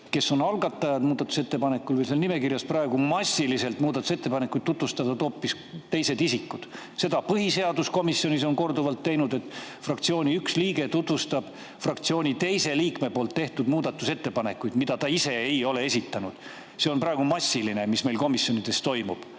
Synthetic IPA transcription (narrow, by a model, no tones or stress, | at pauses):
ke̞so̞nɑlɡɑt̪ːˑɑjɑd̪̥muːd̪ɑt̪use̞t̪ːe̞pɑne̞kːˑulvejlselnime̞kirjɑsprɑe̞ɡumɑsʲːilise̞lt̪muːd̪ɑt̪ːˑuse̞t̪ːe̞pɑnekːujd̪̥t̪ːut̪vust̪ɑt̪ɑd̪o̞ːpːis | t̪e̞jse̞d̪isikːˑud̪̥ | se̞d̪ɑpɤɦise̞ɑd̪usko̞misjo̞nʲiso̞nko̞rd̪uvɑlt̪ːejnud̪e̞t̪ːˑfrɑkt̪sio̞ːnʲiyksliːɡe̞t̪ut̪vust̪ɑb̥ | frɑkt̪sio̞ːnʲit̪e̞jse̞liːkme̞poːlt̪ːeht̪ud̪muːd̪̥ɑt̪ːˑuse̞t̪ːe̞pɑne̞kːˑujd̪̥mid̪̥ɑt̪ɑise̞ejo̞lee̞sit̪ːˑɑnud̪̥ | seo̞nprɑe̞ɡ̥umɑsʲːiline̞misme̞jlko̞misjo̞nid̪̥e̞st̪o̞jmub̥